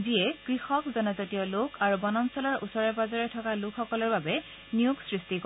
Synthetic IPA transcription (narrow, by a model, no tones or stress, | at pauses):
ziɛkɹixɔkzɔnɔzɔtijɔlʊkʰaɹubɔnɔmsɔlɔɹʔusɔɹɛbazaɹɛtʰɔkalʊkʰxɔkɔlɔɹbabɛ | nijuɡsɹistik